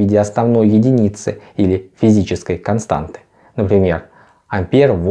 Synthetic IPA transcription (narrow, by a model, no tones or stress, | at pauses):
idʲɪɐsnɐvno̞jːɪdʲɪnʲit̪sɨilʲɪfʲɪzʲit͡ɕɪskəjkɐnst̪a̰nt̪ɨ̥ | nəpɾʲɪmʲe̞̰r | ɐmʲpʲerv